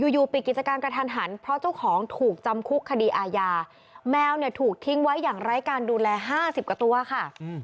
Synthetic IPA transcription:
juː˧juː˨˩pi˨˩ki˨˩t̪̚t͡ɕa˧kaː˧npɾa˧t̪ʰaː˧nɦa˩˦npʰɾɔ˦˥t͡ɕa˥˩wkʰɔː˩˦ŋt̪ʰuː˨˩k̚t͡ɕa˧mkʰu˦˥kʰːa˧diː˧ʔaː˧jaː˧ | mɛː˧˥wni˧˩ɐt̪ʰuː˨˩k̚t̪ʰi˦˥ŋwa˦˥jːaː˨˩ŋɾa˦˥jkaː˧nduː˧lɛː˧ɦaː˥˩si˨˩p̚ka˧t̪u˧kʰa˥˩

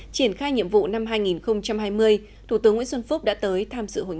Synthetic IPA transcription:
t͡ɕi˧˩ənxaː˧jɲḭ˧˨əmvṵ˧˨na˧mɦaː˧jŋi˨˩nxə˧wŋ͡mt͡ɕa˧mhaː˧jmɨ˧əj | t̪ʰu˧˩t̪ɨ˨˦əŋwḭ˧˥sə˧nfu˦˥k͡p̚ɗa̰ː˧˥t̪əː˨˦jt̪ʰaː˧msɨ̰˧˨ho̰˧˨j

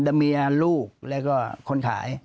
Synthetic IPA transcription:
da˧mi˧ɐluː˥˩k̚lɛ˦˥wkɔː˥˩kʰo˧nkʰa̰ː˩˦j

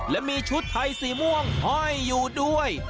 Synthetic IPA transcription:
lɛ˦˥miː˧t͡ɕʰu˦˥t̪ʰːa˧jsiː˨˩mu˥˩əŋhɔː˥˩jːuː˨˩du˥˩əj

